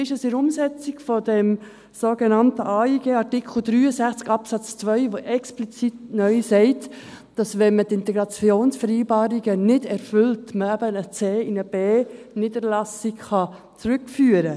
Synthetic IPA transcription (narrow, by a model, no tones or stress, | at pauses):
ɪʃəsɪɾʊmsɛt͡siɡfɔdɛm | soɡɛnɑntəʔɑːiɡ̥eːɑɾtɪkʰl̩ˠd̥ɾyːəsæχt͡skɑpsɑt͡st͡sʋœʏʋoʔɛksplit͡sitnœʏsɛɪtd̥ɑsʋɛnmətɪntɛɡɾɑt͡sjoːnsfɛɾiɪbɑːɾiɡənɪdɛɾfʏltməæb̥ənət͡seːɪnəb̥eːniːdəɾlɑsikχɑ | t͡sɾʏkfyːəɾə